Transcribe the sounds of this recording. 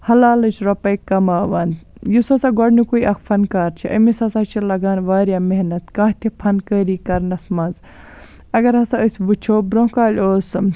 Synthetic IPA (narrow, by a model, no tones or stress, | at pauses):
hɐlaːlɐt͡ʃʰɾɐpɐjkɐmaːʋaːnjusɐsaɡɔɽnikujʔɐkʰpʰɐnkaːɾt͡ʃʰiʔɐ̰misɐsaːt͡ʃʰilɐɡaːnʋaːɾjaːmeɦnɐt̪kaːɦt̪ʰipʰɐnkəːɾiːkɐɾnɐsmɐnz | ɐɡɐɾɦɐsɐəsʲʋɨt͡ʃʰoːbɾõːkaːlʲoːsɨ